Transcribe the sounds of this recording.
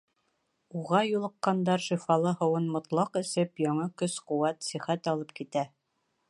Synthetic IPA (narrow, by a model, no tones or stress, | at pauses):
uʁɑjulˠɤ̆qːɑnd̪ɑɾʃifɑlˠɤhɤ̆wɤnmŏt̪lˠɑqɘ̆sɘpjɑɴɑkɵsqŭwæt̪siχæt̪ɒlˠɤp̚kit̪æ